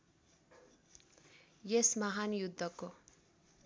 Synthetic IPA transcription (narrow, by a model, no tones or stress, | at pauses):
jesmaɦanjud̪ʱːʌko